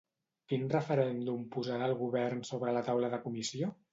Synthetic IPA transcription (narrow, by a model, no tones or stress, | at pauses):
kinrəfəɾɛnd̪umpuzaðəlˠɣuβɛrnsoβɾələt̪awləðəkumisio